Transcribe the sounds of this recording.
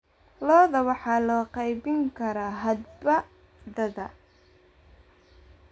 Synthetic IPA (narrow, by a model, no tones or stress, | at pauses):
lɔːðɐwɑħɑlɔːqɑjbɪŋkʰɐɾaːɦɐd̪bɐ | dɐðɐ̰